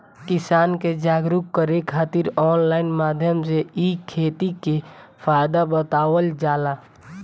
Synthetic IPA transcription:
kɪsaːnked͡ʒaːɡɾukːəɾekʰaːt̪iɾɔːnlaːɪnmaːd̪ʱjəmseikʰːeːt̪ikefʰaːɪd̪abət̪aːwəld͡ʒaːla

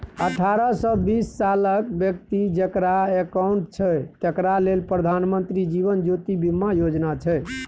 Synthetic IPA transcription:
əʈʰaɾəsɔbisːaləkbjək̚t̪id͡ʒəkɾaekauɳʈt͡ʃʰɛt̪əkɾalelpɾəd̪ʱanmənt̪ɾid͡ʒiβənd͡ʒot̪ibimːajod͡ʒnat͡ʃʰɛ

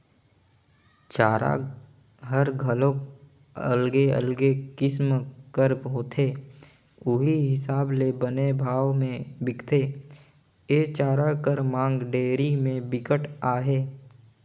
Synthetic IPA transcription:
t͡ʃaːɾa̰ | ɦəɾɡʱəlõk | ə̰lɡeə̰lɡekɪsmkəɾbɦoːt̪ʰeː | ʊɦiiɦɪsaːblebənebʱaːʋmẽbɪkt̪ʰe | eːt͡ʃaːɾakəɾmãːŋɡɖeːɾimẽbɪkəʈaːɦeː

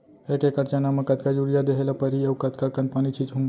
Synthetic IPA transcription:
ekekəɾt͡ʃanamɐ̃kɐt̪̚kad͡ʒuɾijad̪eɦelapəɾiɐwkɐt̪kakɐnpanit͡ʃʰit͡ʃɦũ

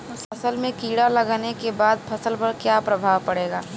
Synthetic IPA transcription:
ɐsəlmẽkiːɽalɐɡaːnekebaːd̪̚pʰɐsəlpəɾkjapɾɐbʱaːʋpɐɽeːɡaː

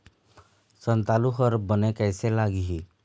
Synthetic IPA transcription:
sə̃nt̪aːluɦəɾbənekɛːselaːɡiɦi

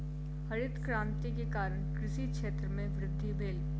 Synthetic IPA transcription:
hɐɾɪt̪kɾãːmt̪ikekaːɾəɽ̃kɾɪʃikʃeːt̪ɾəmẽʋɾɪd̪ʱːibeːl

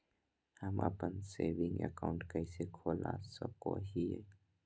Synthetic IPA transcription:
həmə̰pənseːʋɪ̃ŋɡə̰kaʊ̃ɳʈkəisekʰoːlasəb̚ko̰ɦiɛ̰ː

